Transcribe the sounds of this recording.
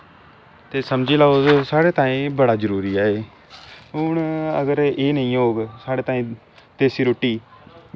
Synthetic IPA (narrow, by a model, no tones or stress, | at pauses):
t̪eːsəmd͡ʒiːlaːosaːɽeːt̪ãːĩːbəɽaːd͡ʒəɾuːɾiːaːeː | ʊɳə̰ɡəɾeːnəĩːɦoːɡsaːɽeːt̪aːĩː | t̪eːsiːɾoːʈːiː